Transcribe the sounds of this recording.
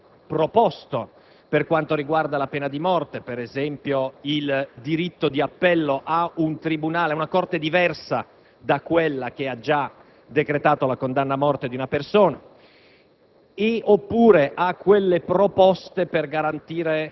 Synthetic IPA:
pɾopɔst̪o | perkwant̪oɾiɡward̪alapeːnad̪imɔrt̪epeɾezɛmpjoild̪iɾit̪ːod̪iapːɛlːoʔaunt̪ɾibunaːleaunakɔrt̪ed̪ivɛrsa | d̪akːwelːak̟ead͡ʒa | d̪ekɾet̪aːt̪olakond̪anːamɔrt̪ed̪iunapersoːna | eopːuːɾeʔakːwelːepɾopɔst̪eperɡaɾant̪iːɾe

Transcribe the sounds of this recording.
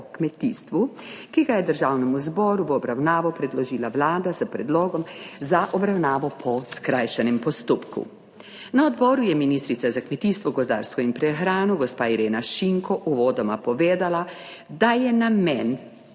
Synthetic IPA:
kmɛt̪iːst̪ʋukiɡajɛd̪əɾʒaːwnɛmuzbɔɾuʋɔbɾawnaːʋɔpɾɛd̪lɔʒiːlaʋlaːd̪azəpɾɛd̪loːɡɔmzaʔɔbɾawnaːʋɔpʰɔskɾaːjʃɛnɛmpɔst̪oːpkṵ | naɔd̪bɔːɾujɛminiːst̪ɾit̪sazakmɛt̪iːst̪ʋɔɡɔzd̪a̰ːɾskɔimpɾɛxɾaːnɔɡɔspaːiɾeːnaʃiŋkɔʔuʋɔːd̪ɔmapɔʋeːd̪ala | d̪ajɛnamɛn

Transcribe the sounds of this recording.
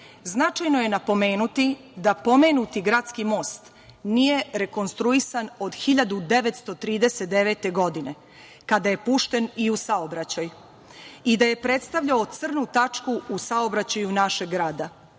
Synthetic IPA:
znat͡ʃajnoje̞napo̞me̞ːnut̪i | d̪apo̞menut̪iɡɾaːt̪skimo̞ːst̪ | nije̞ɾe̞ko̞nst̪ɾuisano̞d̪xiʎad̪ud̪e̞ʋe̞t̪st̪o̞t̪ɾiːd̪e̞set̪̚d̪eʋeːt̪e̞ɡo̞d̪ine̞ | kad̪aje̞puʃt̪e̞niusaobɾat͡ɕaj | id̪aje̞pɾe̞t̪st̪aʋʎaot̪sr̩nut̪at͡ʃkuusao̞bɾat͡ɕajunaʃeɡːɾaːd̪a

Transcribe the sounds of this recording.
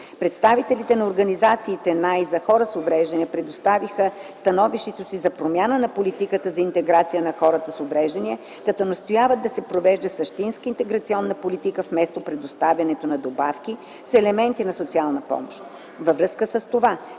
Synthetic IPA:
pɾɛt̪st̪avit̪ɛlit̪ɛnɐoɾɡɐnizat̪siːt̪ɛnajzɐxɔɾəsovɾɛʒd̪ɛniɛpɾɛd̪ost̪avixəst̪ɐnɔviʃt̪ɛt̪osizɐpɾomjanənɐpolit̪ikət̪əzɐint̪ɛɡɾat̪sijənɐxɔɾət̪əsovɾɛʒd̪ɐniɛ | kɐt̪ɔnɐst̪ojavət̪̚d̪ɐsɛpɾovɛʒd̪ɐsəʃt̪inskəint̪ɛɡɾɐt̪siɔnːəpolit̪ikəfmɛst̪opɾɛd̪ost̪avʲjɐnɛt̪onɐd̪obafki | sɛlɛmɛnt̪inɐsot̪sialˠnɐpɔ̰mo̰ʃt̪ | vəvɾɤskəsəst̪ova

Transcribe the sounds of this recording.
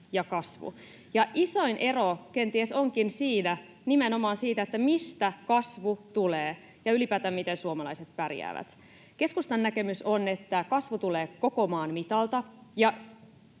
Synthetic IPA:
jɑkɑsʋṵ | jɑʔisoinʔe̞rokent̪iesoŋkinsiːnæ | nimenomɑːnsiːt̪æet̪ːæmist̪ækɑsʋut̪uleː | jɑylipæːt̪æmit̪ensuomɑlɑiset̪̚pærjæ̰ːʋæ̰t̪ | ke̞skust̪ɑnːækemysonet̪ːækɑsʋut̪uleːko̞komɑːnmit̪ɑlt̪ɑjɑ

